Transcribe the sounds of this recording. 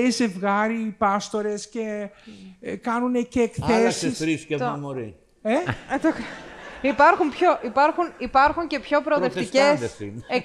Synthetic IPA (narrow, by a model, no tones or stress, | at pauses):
ize̞vɣɐɾipɐst̪o̞ɾe̞sce̞ | kɐnuneceːkθesisɾiskeomoɾi | et̪okipɐɾxumpço̞ʔipɐɾxunipɐɾxuɲce̞pço̞pɾoðeft̪iscesesine